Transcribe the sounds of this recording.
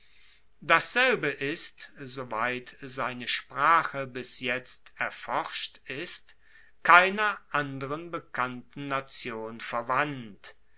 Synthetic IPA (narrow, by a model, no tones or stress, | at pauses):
d̥asz̥ɛlbəʔɪstzovaɪtzaɪnəʃpʁ̥aːχəbɪsjɛt͡stɛɐfɔʁʃtɪst | kʰaɪnɐʔandəʁənbəkʰantn̩nat͡sjoːnfɛɐvant